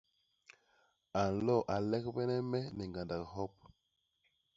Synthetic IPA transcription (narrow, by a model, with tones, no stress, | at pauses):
a˨n˨lɔ˦˨ʔa˨lɛ˦kbɛ˦nɛ˦mɛ˦nɛ˨ŋɡa˨nda˨kɦɔ˦p̚